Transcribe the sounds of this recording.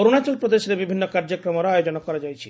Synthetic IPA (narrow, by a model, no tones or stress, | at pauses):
oɾonat͡ʃɔlpɾɔd̪esɔɾebibʱinːɔkaɾd͡ʒɔkɾɔmɔɾɔajod͡ʒɔnɔkɔɾad͡ʒajt͡ʃʰi̥